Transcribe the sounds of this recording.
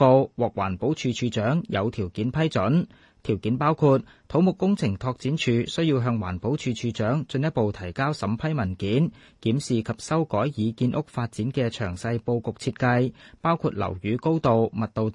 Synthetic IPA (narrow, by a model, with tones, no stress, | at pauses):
o˧wwɔː˨k̚wa̰ː˨˩npo˨˥wt͡ʃʰyː˨t͡ʃʰyː˨˧t͡sœː˨˥ŋjʔɐ̰˨˧wt̪ʰiː˨˩wkiː˨˥npʰɐ˥jt͡sɵ˨˥n | t̪ʰiː˨˩wkiː˨˥npaː˥wkʰuː˧t̚ | t̪ʰo˨˥wmʊ˨kːʊ˥ŋt͡sʰɪ˨˩ŋt̪ʰɔː˧k̚t͡siː˨˥nt͡ʃʰyː˨˧sɵ˥ɥjiː˧wɦœː˧ŋwa̰ː˨˩npo˨˥wt͡ʃʰyː˨˧t͡ʃʰyː˨˧t͡ʃœː˨˥ŋt͡sɵ˧njɐ˥t̚po˨wt̪ʰɐ˨˩jkaː˥wsɐ˨˥mpʰɐ˥jmɐ˨˩nkiː˨˥n | kiː˨˥msiː˨˩kʰɐ˨p̚sɐ˥wkɔː˨˥jjiː˨˧kiː˧nʔʊ˥k̚faː˧t̚t͡siː˨˥nkɛː˧t͡ʃʰœː˨˩ŋsɐ˧jpo˧wkʊ˨k̚t͡sʰiː˧t̚kɐ˧jpaː˥wkʰuː˧t̚lɐ̰˨˩wjyː˨˧ko˥wt̪o˨wmɐ˨t̚t̪o˨w